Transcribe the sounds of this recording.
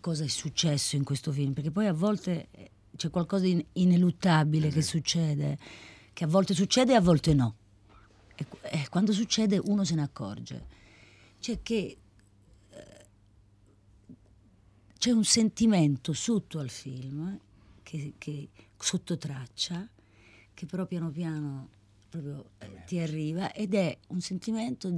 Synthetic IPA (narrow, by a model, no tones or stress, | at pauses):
kɔːzaɛsːut͡ʃːɛsːoiŋkwest̪ofilmpeɾk̟ep̬ːɔjavːɔlt̪e | t͡ʃɛkːwalkɔːzainelut̪ːabilek̟esːut͡ʃːɛːd̪ḛ | k̟eavːɔlt̪es̬ut͡ʃːɛːd̪eavːɔlt̪enɔ | ɛkɛkːwand̪os̬ut͡ʃːɛːd̪eʔuːnos̬enakːɔ̰rd͡ʒḛ | t͡ʃɛk̟ːe | t͡ʃɛunsent̪iment̪osut̪ːoalfilm | kʰekʰe | sot̪ːot̪ɾat͡ʃːa | k̟epːeɾɔpːjaːnopjaːno | pɾɔːpɾjot̪iarːiːvaʔed̪ɛunsent̪iment̪o